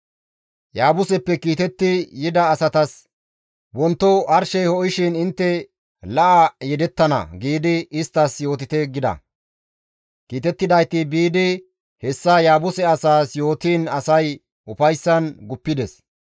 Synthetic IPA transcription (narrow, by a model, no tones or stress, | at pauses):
jaːbʊsɛpːɛkiːt̪ɛt̪ːɪjɪd̪ɐːsɐt̪ɐs | wɔnt̪ːɔʔɐɾʃɛjhɔʔɪʃɪnɪnt̪ːɛ | lɐʔɐjɛd̪ɛt̪ːɐnɐ̰ɡiːd̪ɪɪst̪ːɐsjo̞ːt̪ɪt̪ɛɡɪd̪ɐ̰ | kiːt̪ɛt̪ːɪd̪ɐjt̪ɪbiːd̪ɪ | hɛsːajaːbʊsɛɐsaːsjo̞ːt̪iːnɐsɐj | ʊfɐjsːɐnɡʊpːɪd̪ɛs